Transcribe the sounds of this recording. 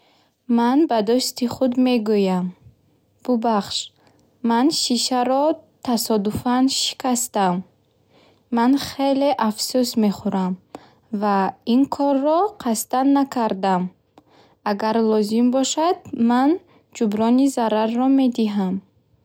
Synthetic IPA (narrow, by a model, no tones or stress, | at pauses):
manbad̪ust̪iχud̪me̞ɡujam | b̥ubaχʃː | anʃiʃaɾɔt̪ʰasɔd̪ufanʃi̥kʰast̪amː | anχele̞ʔafsusme̞χuɾam | vainkʰɔrːɔqʰast̪anːakʰaɾd̪am | aɡaɾlɔzimbɔʃad̪man | d͡ʒubɾɔnizaɾarːɔme̞d̪iɦam